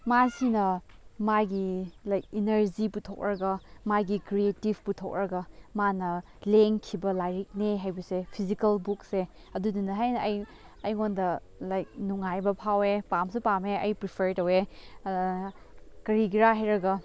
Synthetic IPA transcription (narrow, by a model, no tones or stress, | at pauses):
masinɐmajɡilajk̚inɐɾziputʰok̚ɾɐɡɐmajɡikɾietibputʰok̚ɾɐɡɐmanɐ | leŋkʰibɐlajɾik̚neɦajbɐsepʰizikɐlbuk̚se | ɐdudinɐɦajnɐɐj | ɐjŋondɐ | lajk̚nuŋajbɐpʰawepamsupameɐjpɾipʰeɾtɐwe | kɐɾiɡiɾaɦajɾɐɡɐ